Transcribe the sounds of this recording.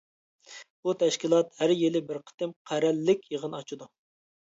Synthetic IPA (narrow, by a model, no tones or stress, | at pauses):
but̪ʰɛʃkʲilˠɑt̪hæɾjelɪbɪɾqʰə̥t̪ɨmqʰæɾɛlːɪkʲjəʁənɑt͡ʃʰud̪u